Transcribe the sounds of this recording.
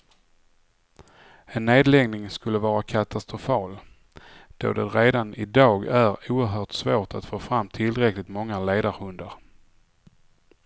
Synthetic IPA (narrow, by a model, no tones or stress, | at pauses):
ɛnːeːd̪lɛɡnɪŋskɵlːəvɑːɾakʰat̪ʰast̪ɾʊfɑːl | d̪̥o̰ːd̪ɛɾeːd̪anɪd̪ɑːɡæɾuːəɾɦœːʈsvoːʈat̪foːfɾamːt̪ʰɪlɾɛklɪt̪mɔŋːaleːd̪aɾhɵnd̪əɾ